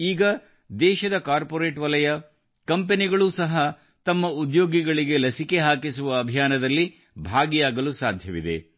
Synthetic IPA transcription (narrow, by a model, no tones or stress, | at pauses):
iːɡɐ | d̪ɛːʃɐd̪ɐkaːɾpoɾeːʈʋɐlɐjɐ | kɐmpeniɡɐɭuːsɐɦɐ | t̪ɐmːɐud̪joːɡiɡɐɭiɡe̞lɐsike̞ɦaːkisuʋɐːbʱijaːnɐd̪ɐlːi | bʱaːɡijaːɡɐlusaːd̪ʱjɐʋid̪e̞̰